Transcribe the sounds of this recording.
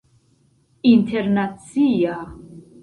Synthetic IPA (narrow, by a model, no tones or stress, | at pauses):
int̪ʰɛɾnat̪sʰia